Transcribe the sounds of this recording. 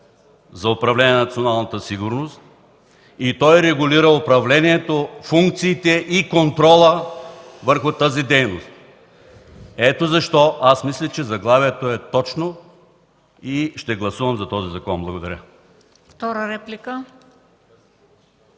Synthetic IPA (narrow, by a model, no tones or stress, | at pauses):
zɐʊpɾɐvlɛniɛnɐt̪sionalˠnɐt̪əsiɡʊɾnost̪̚ | it̪ɔjɾɛɡʊliɾəʊpɾɐvlɛniɛt̪ofuŋkt̪siːt̪ɛʔikont̪ɾɔlˠə | vəɾxʊt̪azid̪ɛjnost̪̚ | ɛt̪ozɐʃt̪ɔʔasmislʲɛt͡ʃɛzɐɡlˠaviɛt̪oɛt̪ɔt͡ʃno | iʃt̪ɛɡlˠɐsuvɐmzɐt̪ɔzizɐkɔnblˠɐɡod̪ɐɾʲə | ft̪ɔɾəɾɛplikə